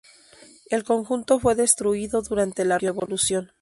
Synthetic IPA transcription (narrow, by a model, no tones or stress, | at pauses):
e̞lko̞ŋxunt̪o̞fwe̞ðe̞st̪ɾuiðo̞ðuɾant̪e̞lareβo̞lusjo̞n